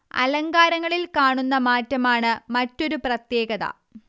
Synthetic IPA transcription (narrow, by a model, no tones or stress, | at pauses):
ɐ̰lɐŋɡaːɾɐŋːɐɭilkaːɳunːɐmaːtːɐmaːɳɨmɐtːo̞ɾuprɐt̪je̞ːɡɐðɐ̰